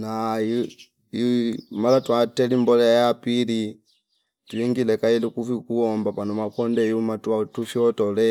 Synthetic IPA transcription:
nai | imalatwatɛlimbɔlɛjapili | tuiŋɡilɛkailukufikuɔmbapanɔmapɔndɛjumatwatufjɔtɔlɛ

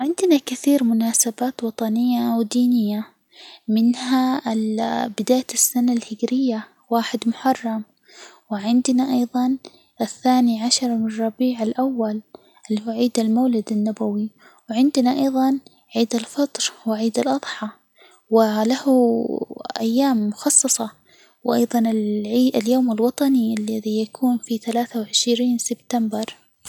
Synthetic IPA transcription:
ʕɪnd̪nakɪθiːɾmʊnaːsabaːt̪wɑt̪ˤɑnɪjːawd̪iːnɪjːa | mɪnha | bɪd̪aːjɪsːanalhɪɡɾɪjːa | waːħɪd̪mʊħɑrˤːɑm | wɪʕɪnd̪naʔɑjðˤɑn | ʔɪθːaːniʕaʃɑɾˤmɪrˤːɑbiːʕalʔawːal | ʔɪlːihuːʕiːd̪almaːlɪd̪anːabawi | wɪʕɪnd̪naʔɑjðˤɑn | ʕiːd̪alfɑt̪ˤɾwɪʕiːd̪alʔɑðˤħɑ | wɪlahu | ʔajːaːmːʊxɑsˤːɑsˤɑ | wʔɑjðˤɑnɪlːaljoːmalwɑt̪ˤɑniʔalːaðijakʰuːnfiθalaːθawʕɪʃɾiːnsɪbt̪ambɪɾˤ

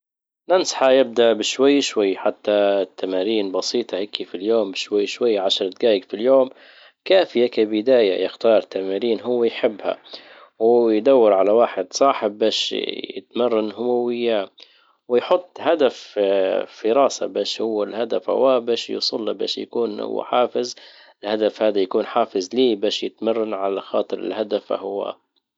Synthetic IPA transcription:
nansħajɪb̚d̪aʔbɪʃwajːʃwajːħat̪ːat̪ːamaːɾiːnbɑsiːt̪ˤɑheːkifiljoːmbɪʃwajːʃwajːʕaʃɑɾˤt̪̚ɡaːjɪɡfiljoːm | kaːfɪjakabɪd̪aːja̰jɪxt̪ɑːɾˤt̪ːamaːɾiːnɦʊwːajħɪbːha̰ | wjd̪awːɪɾʕalawaːħɪd̪sˤɑːħɪb̚ːaːʃjɪ̰t̪marˤːɑnhʊmawɪjːa | wɪjħʊt̪ˤːhad̪afː | ɪɾɑːsa̰baːʃhʊwːalhad̪afha̰waːbaːʃjṵsˤʊlːaba̰ːʃja̰kuːnhʊ̰wːa̰ħaːfɪz | ɪlhad̪afhaːd̪ajakuːnħaːfɪzliːbaːʃjɪt̪marˤːɑnʕalaxɑːt̪ˤɨɾɪ̰lhad̪afa̰hʊwa̰

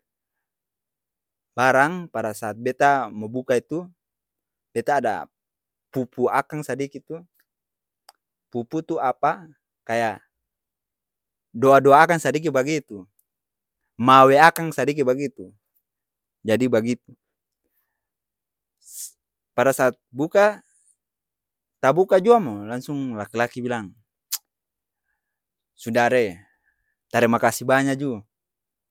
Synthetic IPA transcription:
baɾaŋpadasaːt̪̚bɛt̪amɔbukait̪u | bɛt̪aːda̰ | pupuakaŋsadikit̪u | puput̪uapa | kaja | doadoaːkaŋsadik̬ibaɡit̪u | maweakaŋsadik̬ibaɡit̪u | d͡ʒadibaɡit̪̚u | paɾasaːt̪̚buka | t̪abukad͡ʒuamolaŋsuŋlakilakibilaŋ | sudaɾe | t̪aɾɛmakasibaɲad͡ʒu

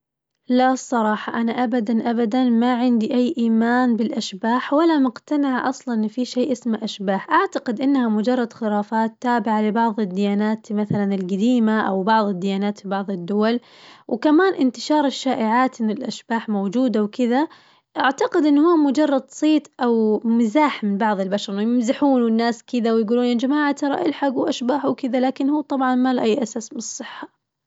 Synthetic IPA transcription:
lasˤːɑɾˤɑːħɑʔanaʔabad̪anʔabad̪anmaʕɪnd̪iʔajːʔiːmaːnbɪlʔaʃbaːħwɪlːamʊqt̪anɪʕʔɑsˤlɑnːfiʃeːʔɪsmaʔaʃbaːħʔaʕt̪aqɪd̪ʔɪnːhamʊd͡ʒɑrˤːɑd̪xɪɾaːfaːt̪ːaːbɪʕalɪbɑʕðˤɪd̪ːɪjaːnaːt̪maθalanɪlɡad̪iːmaʔa̰wbɑʕðˤɪd̪ːɪjaːnaːt̪fibɑʕðˤɪd̪ːʊwal | wɪkamaːnʔɪnt̪ɪʃɑːɾˤɪʃːaːʔɪʕaːt̪ʔɪnːɪlʔaʃb̥aːħmowd͡ʒuːd̪awkɪða | ʔaʕt̪aqɪd̪ʔɪnːhuːmʊd͡ʒɑrˤːɑd̪sˤiːt̪ʔawmɪzaːħmɪnbɑʕðˤɪlbaʃɑɾˤʊjɪmzɪħuːnwɪnːaːskɪd̪awɪjɡuːluːnʔɪnd͡ʒamaːʕat̪ɑɾˤɑ̰ʔɪlħaɡwʔaʃbaːħwkɪd̪alaːkɪnhuːt̪ˤɑbʕɑnmalʔajːʔasaːsmɪnɨsˤːɨħːḁ

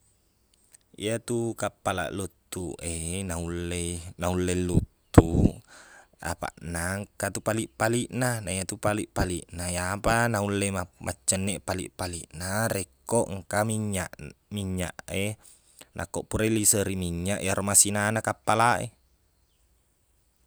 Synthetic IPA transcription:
ḭat̪ukapːala̰ʔlut̪ːuʔenaulːenaulːelːut̪ːu | a̰pa̰ʔnaŋkat̪upaliʔpaliʔnanaijat̪upaliʔpaliʔnajapanaulːemamʔa̰t͡ʃːənːeʔpalḭʔpaliʔnarekːoʔŋkamiɲːaʔmiɲːa̰ʔe | nʔa̰kːoʔpuɾeilisəɾimiɲːaʔjaɾomasinanakapːalaʔḛ

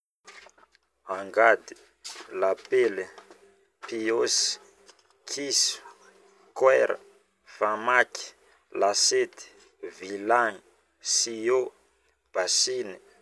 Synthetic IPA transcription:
aŋɡad̪i̥ | lapeli | pios | kʰisu̥ | kwɛɾə̰ | famaki̥ | laset̪i̥ | vilaŋi | sio | b̥asini̥

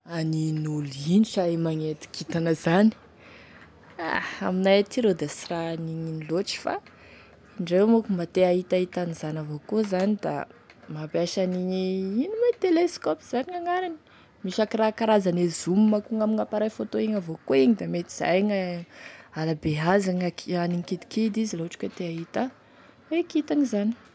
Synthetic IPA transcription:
aninuliniʃaemaŋet̪i̥kit̪anəzani̥ | a̰a̰minajat̪ʰiɾed̪asiraniɲiniloʈ͡ʂi̥fa̰ | iɳɖ͡ʐewmukumat̪eaɦit̪ait̪anizanavokozanid̪a̰ | mapiaʃaniɲiinumat̪eleskɔpiz̥aniŋaŋaɾani̥ | miʃakiɾakaɾazanezumimakuŋamiŋapaɾajfot̪oeŋavokoeɲid̪amet̪i̥z̥a̰jŋa | alabeɦazaŋakaniŋkid̪i̥kid̪iziloʈ͡ʂi̥kʲet̪eaɦit̪a | wekit̪aŋizani̥

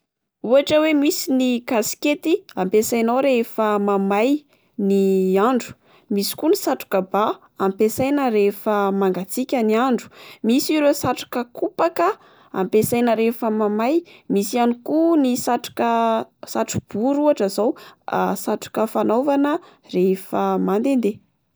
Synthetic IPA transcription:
uaʈ͡ʂəwemisinikasi̥ket̪iampesajnowɾefəmamaj | niaɳɖ͡ʐu̥ | misi̥kunisaʈ͡ʂu̥kəba | ampesajnəɾefəmaŋɡat͡sikʲəniaɳɖ͡ʐu̥misiɾesaʈ͡ʂḁkəkupakə | a̰mpesajnəɾefəmamajmisianikunisaʈ͡ʂu̥kəsaʈ͡ʂu̥b̥uɾuaʈ͡ʂəzaw̰saʈ͡ʂu̥kəfanovanə | refəmand̪end̪e

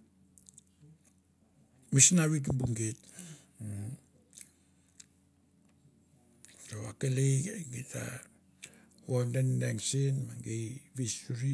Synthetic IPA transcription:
misnaβit̬ubuŋɡet | toakelejeɡita̰ | wondendeŋsenmaŋɡejβisuɾi

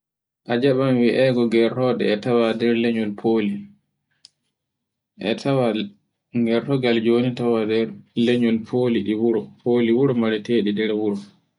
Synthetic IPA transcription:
ʔad͡ʒaɓamwiʔɛɡɔɡɛɾtɔɗɛ̰ːtawadɛɾlɛɲɔlpʰoli | ʔɛ̰tʰawa | ŋɡɛɾtɔɡald͡ʒonitawadɛɾleɲɔlpʰoːliɗiwuɾɔpʰoːliwuɾɔmaɾɛteːɗidɛɾwuɾɔ

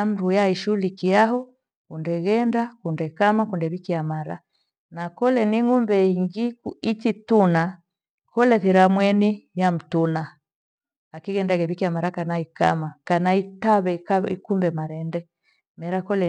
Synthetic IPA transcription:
am̩ɾujaiʃulikiaɦɔ | undɛɣɛndakundɛkamakundɛβikiamaɾa̰ | nakɔlɛniŋumbɛiŋɡikuitituna | kɔlɛθiɾamwɛnijam̩tunaː | kiɣɛndaɣɛβikiamaɾakanaika̰makanaitaβɛḭkumbɛmaɾɛndɛ | mɛɾakɔlɛ

